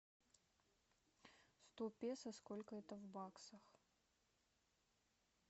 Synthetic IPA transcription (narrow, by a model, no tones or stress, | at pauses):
st̪opʲesɐskolʲkəɛt̪əvbaksəx